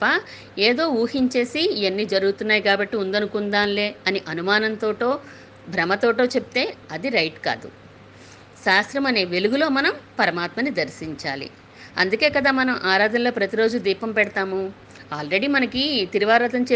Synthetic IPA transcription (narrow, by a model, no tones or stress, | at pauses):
pːɐ | eːd̪o̞ːuːhiɲt͡ʃe̞ːsienːiːd͡ʒɐɾuɡut̪unːaːjikaːbɐʈːiund̪ɐnukund̪aːnle̞ːɐniʔɐnumaːnɐnt̪o̞ːʈo̞ː | bʱɾɐmɐt̪o̞ːʈo̞ːt͡ʃep̚i̥t̪e̞ːɐd̪iɾɐjʈka̰ːd̪ṵ | ʃaːst̪ɾɐmɐne̞ːʋe̞luɡulo̞ːmɐnɐmpɐɾɐmaːt̪mɐnːid̪ɐɾʃiɲt͡ʃa̰ːlḭ | ɐ̰nd̪uke̞ːkɐd̪aːmɐnɐmʔaːɾaːd̪ɐnlo̞ːpɾɐt̪iɾo̞ːd͡ʒud̪iːpɐmpɛɽɐt̪aːmu | aːlɾe̞ɽiːmɐnɐkit̪iɾiʋaːɾat̪ɐmt͡ʃe